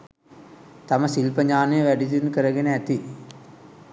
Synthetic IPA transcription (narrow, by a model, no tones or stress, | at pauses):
t̪amɐsilpɐɲaːnɐjəʋæɖit̪inkəɾɐɡeneæt̪i